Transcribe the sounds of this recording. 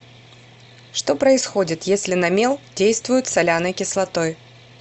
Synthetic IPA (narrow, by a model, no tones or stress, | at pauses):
ʂt̪o̞pɾəɪsxo̞dʲɪt̪jesʲlʲɪnɐmʲe̞lˠdʲejst̪vʊjʊt̪sɐlʲanɨkʲɪslˠɐt̪o̞j